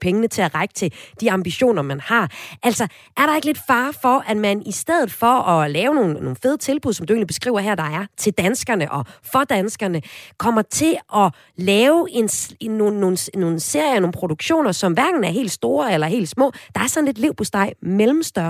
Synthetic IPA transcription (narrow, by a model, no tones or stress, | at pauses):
pʰeŋənət͡sʰe̝æʁäɪɡ̥ət͡sʰe̝d̥iɑ̈mb̥iɕo̝̰ːnɐmænhɑ̈ʔæl̰sɒ̽ | ʔæɐɾ̥ɑ̈eɡ̥le̝d̥fɑ̈ːfɒ̽ʔæd̥mænisd̥eð̞̰ˠð̩ˠfɒ̽ɒ̽lɛːʊno̝ːn̩no̝ːn̩fe̝ðˠt͡sʰe̝lb̥uðˠsɒ̽md̥ue̝̰ːnlib̥e̝sɡ̥ʁḭːʊɐɦæɐ̰d̥ɑ̈æɐt͡sʰe̝ld̥ænsɡ̥ɐnəʔɒ̽fɒ̽d̥ænsɡ̥ɐnəkʰɒ̽mɐt͡sʰe̝ʔɒ̽ | lɛːʊe̝noo̝ːn̩sno̝ːn̩se̝ɐ̰jɐno̝ːn̩pʰʁo̝d̥uɡ̥ɕo̝̰ːnɐsɒ̽mʋæɐɡ̥n̩æɐɦe̝̰ːld̥sd̥o̝ːɐelɐɦe̝̰ːld̥smɔ̰̽ːd̥ɑ̈æɐsɒ̽n̩led̥liʊ̰b̥osd̥ɑ̈ɪmelm̩sd̥ɶɐ